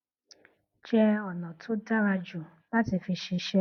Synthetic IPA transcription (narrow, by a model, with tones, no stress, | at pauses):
t͡ʃɛ˦ɔ˨nɔ˨tʰu˦da˦ɾa˧d͡ʒu˨ | la˦ti˨fi˧ʃi˧ʃɛ˦